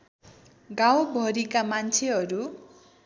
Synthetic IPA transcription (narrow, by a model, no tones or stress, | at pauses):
ɡawbʱʌɾikamant͡sʰeɦʌɾu